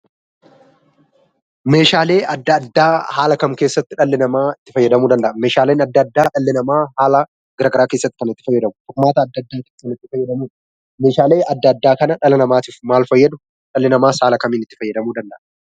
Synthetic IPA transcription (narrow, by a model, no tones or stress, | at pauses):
me̞ːʃaːle̞ːʔɐd̪ːɐːd̪ːaːhaːlɐkɐmke̞ːsːɐt̪ːɪᶑɐlːɪnɐmaːɪt̪ːɪfɐjːɐd̪ɐmuːd̪ɐnd̪ɐʔme̞ːʃaːleːnɐd̪ːɐd̪ːaːᶑɐlːɪnɐmaːhaːlɐ | ɡ̥ɐɾɐɡɐɾaːke̞ːsːɐt̪ːɪ̥kɐnɐt̪ːɪ̥fɐjːɛd̪ɐmʊt̪ɔkmaːt̪ɐːd̪ːɐd̪ːaːt̪iːfkɐnɪt̪ːɪfɐjːɛd̪ɐmuːᶑɐ | meːʃaːle̞ːʔɐd̪ːɐːd̪ːaːkɐnɐᶑɐlɐnɐmaːt̪iːfmaːlfɐjːɐd̪ʊ | ᶑɐlːɪnɐmaːshaːlɐkɐmiːnɪt̪ːɪfɐjːɐd̪ɐmuːd̪ɐnd̪ɐʔ